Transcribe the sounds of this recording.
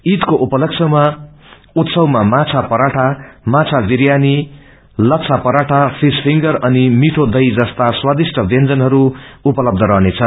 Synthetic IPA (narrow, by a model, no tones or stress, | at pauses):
it̪koʔupʌlʌksʰʌwma | ut̪sʌwmamat͡sʰapʌɾaʈʰamat͡sʰabiɾjani | lʌt͡sʰapʌɾaʈʰapʰispʰiŋɡʌrʌnimiʈʰod̪ʌjd͡zʌst̪aswad̪isʈʌbend͡zʌnɦʌɾuupʌlʌb̚d̪ʱʌɾʌɦnet͡sʰʌ